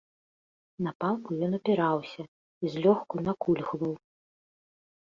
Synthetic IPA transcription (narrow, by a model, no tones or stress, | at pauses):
napalˠkujɔnɐpʲɛɾawsʲɐ | izʲlʲɔxkunakulʲxvɐw